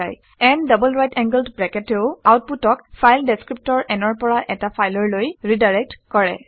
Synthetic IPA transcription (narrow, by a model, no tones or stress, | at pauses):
a̰j | ɛndəbɔlɹajtɛ̃ŋɡəldbɹɛkɛteʊawt̚putɔkpʰajldeskɹip̚tɔɹɛnɔɹpɔɹaʔɛtapʰajlɔɹlojɹidaɹɛk̚tkɔɹɛ̰